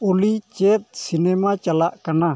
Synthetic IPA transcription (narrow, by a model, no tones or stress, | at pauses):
olit͡ʃet̪̚sinemat͡ʃəlaʔkəna